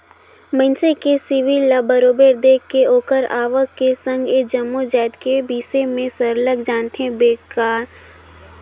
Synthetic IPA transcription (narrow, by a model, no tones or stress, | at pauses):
mənsekesiʋilabəɾoːbeːɾd̪eːkːeoːkəɾaːʋəkːesə̃ŋɡeːd͡ʒəmːud͡ʒaːɪd̪kebiːsemẽsəɾləɡd͡ʒaːnt̪eɦẽbeːkaːɾ